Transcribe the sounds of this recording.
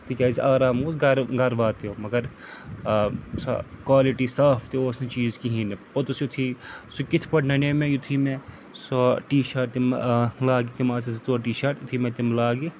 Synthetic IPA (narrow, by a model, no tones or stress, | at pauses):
t̪ikʲaːziʔaːɾaːmuːzɡɐɾɡɐɾʋaːt̪oːmɐɡɐɾ | sa̰kwaːliʈisaːpʰt̪ioːsnet͡ʃiːzkiɦĩːnepɐt̪usjut̪ʰiːsukɪt̪ʰpɐʈnɐneːmẽjut̪ʰime | soʈiːʃaːʈ̚t̪imlaːɡit̪imaːsizit̪oːʈiːʃaːɾʈ̪jt̪ʰimẽt̪imlaːɡi